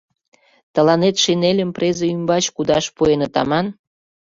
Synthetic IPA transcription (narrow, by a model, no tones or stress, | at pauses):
t̪ə̆lɑnet̪ʃenelʲə̆mprezəymbɑt͡ɕkud̪ɑʃpuenə̆t̪ɑ̰mɑn